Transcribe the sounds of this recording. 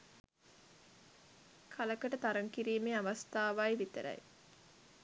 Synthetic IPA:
kʰaləkəʈət̪aɾəŋkiɾiːmeːaʋast̪aːʋajʋit̪ə̰ɾɐ̰j

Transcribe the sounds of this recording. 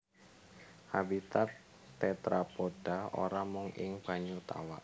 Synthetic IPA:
habit̪at̪ː | ɛt̪ɾapod̥ao̰ɾamʊŋɪ̰ŋb̥a̤ɲut̪a̰wa̰ʔ

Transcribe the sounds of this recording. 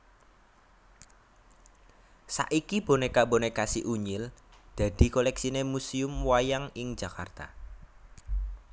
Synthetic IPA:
sa̰ʔikib̥o̤nekabonekasiʔuɲɪld̪̥ä̤d̪̥i̤kolɛksinemusiʊmwajaŋɪŋ̥d͡ʒ̥ä̤kart̪a̰

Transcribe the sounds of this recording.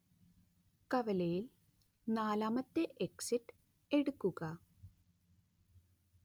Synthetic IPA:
kɐʋɐlɐjil | naːlaːmɐt̪ːeʔeksiʈː | e̞ɽukːuɣɐ

